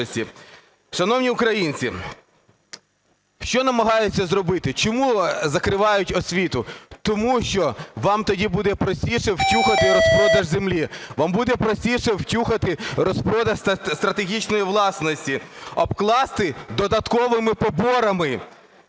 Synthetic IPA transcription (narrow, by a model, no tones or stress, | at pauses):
sʲtʲi | ʃɐnɔwnʲiʊkɾɐjinʲt͡sʲi | ʃt͡ʃɔnɐmɐɦɑjʊt͡sʲːɐzɾɔbɪt̪ɪt͡ʃɔmuzɐkɾɪʋɑjʊtʲɔsʲʋʲit̪ʊt̪ɔmuʃt͡ʃɔʋɑmt̪ɔdʲibud̪ɛpɾɔsʲtʲiʃɛwtʲuxɐt̪ɪɾɔspɾɔd̪ɐʒzemlʲiʋɑmbud̪ɛpɾɔsʲtʲiʃɛwtʲuxɐt̪ɪɾɔspɾɔd̪ɐsst̪ɾɐt̪eɦʲit͡ʃnɔjiʋlˠɑsnɔsʲtʲiɔbklˠɑst̪ɪd̪ɔd̪ɐt̪kɔʋɪmɪpɔbɔɾɐmɪ